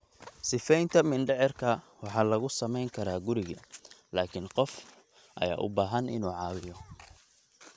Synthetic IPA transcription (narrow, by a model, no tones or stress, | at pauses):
sɪfɛjnt̪ʰɐmɪnɖɛʕɛrkʰɐ | wɑħɑːlɐɣʊsɐmɛjŋkʰɐɾaːɡʊɾɪɣɐlaːkʰɪnqɔf | ʔɐ̰ja̰ːʔʊ̰baːɦɐnʔɪ̰nuːʕɑːwɪjɔ